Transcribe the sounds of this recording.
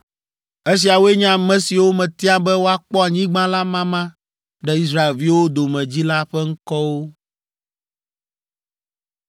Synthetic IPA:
e˦s̬i˨a˨wo˦e˦ɲã˦˨mɛ̃˦si˨wo˦mɛ̃˨t̪i˦a˦bɛ˦wo˦a˨k͡pɔ˦a˨ɲĩ˦ɡ͡bã˦la˦mã˦mã˦ | ɖɛ˦i˦s̬ɾa˦e˨lvi˦wo˦d̪o˨mɛ̃˨d͡ʑi˦la˦ɸɛ˦ŋ̩˦kɔ˦wo˦

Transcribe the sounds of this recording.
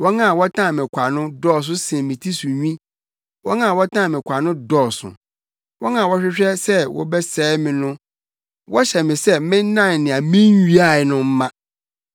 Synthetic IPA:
wɔ˦nã˦˨wɔ˦tʰã˦˨mɪ̃˨kʷʰa˨nʊ̃˦dɔː˦˨s̬ʊ˦sɪ̃˨mĩ˨tʰi˦su˨ɲᶣĩ˦ | wɔ˦nã˦˨wɔ˦tʰã˦˨mɪ̃˨kʷʰa˨nʊ̃˦dɔː˦˨sʊ̰˨ | wɔ˦nã˦˨wɔ˦ɕᶣɪ˦ɕᶣɛ˦sɛ˦wɔ̰˦bɛ˦sɛː˨˦mɪ̃˨nʊ̃˦ | wɔ˦ɕɛ˨mɪ̃˨sɛ˦mɪ̃˦n˦nã˦˨n˨nɪ̃˨a˨mĩ˦n˦ɥi˦a˦˨ɛ˨nʊ̃˦m̩˦mã˦

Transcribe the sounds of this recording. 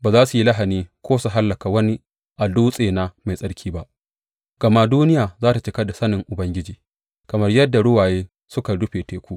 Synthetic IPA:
baː˨zaː˦su˨ji˦la˦ɦa˨niː˦kʰʷoː˦su˨ɦa˦lːɐ˨ka˨wɐ˦ni˦ | ʔa˨duː˦sʼeː˨na˨ma˨jsʼɐ˦ɽkʲʰiː˦ba˦ʔ | ɡ̥ɐ˨ma˦duː˦nɪ˦jaː˨zaː˦ta˨t͡ʃɪ˦kɐ˦da˨sɐ˦nɪ˨ŋʔʊ˨bɐ˦ŋɡʲɪ˦d͡ʒiː˨ | kɐ˨mɐ˦rjɐ˦dːa˨ɽʊ˦waː˨jeː˦ | sʊ˦ka˨dʊ˦ɸeː˨teː˨kʷuː˦ʔ

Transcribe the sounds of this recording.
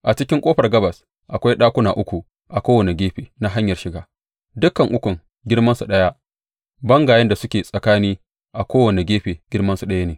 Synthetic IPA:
ʔa˨t͡ʃɪ˦kʲɪ˦ŋkʷʼoː˦ɸɐ˨rɡɐ˦bɐ˨s | ʔa˨kʷa˦jɗaː˦kʷʊ˦naː˨ʔʊ˦kʷu˨ | ʔa˨kʷoː˦wɐ˨ne˨ɡʲeː˦ɸeː˨na˦ɦa˦ɲjɐ˨rʃɪ˨ɡaː˨ | dʊ˦kɐ˨ŋʔʊ˦kʷʊ˨ŋ | ɡʲɪ˦rmɐ˦nsu˨ɗɐ˦ja˦ʔ | bɐ˦ŋɡaː˨jɐ˦nda˨sʊ˦kʲeː˨sʼɐ˨kaː˦niː˦ | ʔa˨kʷoː˦wɐ˨ne˨ɡʲeː˦ɸeː˨ɡ̥ʲɪ˦rmɐ˦nsu˨ɗɐ˦ja˦neː˨

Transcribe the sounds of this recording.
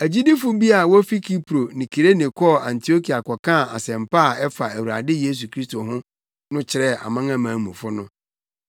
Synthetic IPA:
æ˨d͡ʑi˦dɪ˦fʊ˦bi˦a˨wɔ˦fi˦kʰi˦pʰɾo˨nĩ˨kʰi˨ɾe˦nɪ̃˨kʰɔ˦˨ã˨ntʰi˨o˦kʰi˨a˨kʰɔ˨kʰã˦˨a̰˨sɛ̃˨mpʰa˦˨ɛ˦fa˨æ˨wu˨ɾa˨dɪ˦je˦s̬u˨kʰɾi˦sto˨ɦʊ̃˦ | nʊ̃˦t͡ɕʰɪ˨ɾɛ˦˨ʔa̰˨mã˦ŋã˦mãː˨˦mũ˨fʊ˦nʊ̃˦

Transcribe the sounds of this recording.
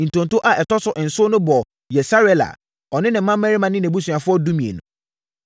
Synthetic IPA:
n̩˨tʰõ˨ntʊ˦ʔa˨ʔɛ˨tɔ˦sʊ˦ʔɪ˨n̩˨sʊ˦nʊ̃˦bɔ˨ | jɛ˨sa˦ɾɛ˦la̰˨ | ɔ˨nɪ̃˦nɪ̃˨˦mã˦m̩˦ɛ̃˦ɾi˦mã˨nɪ̃˦nɛ̃˨bu˦sũ˨a˨fʊ˦ɔ˦dũ˦mĩ˨ḛ˨nʊ̰̃˨

